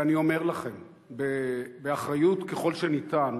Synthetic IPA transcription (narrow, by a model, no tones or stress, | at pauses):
anio̞me̞ʁlaχe̞m | bebeaχʁajutkeχo̞lʃenitan